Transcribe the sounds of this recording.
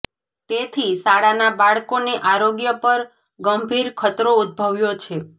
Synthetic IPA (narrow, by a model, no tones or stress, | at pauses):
t̪et̪ʰisaɽanabaɭkoneʔaɾoɡjəpəɾ | ɡəmbʱiɾkʰət̪ɾoud̪̚bʱəʋjot͡ʃʰe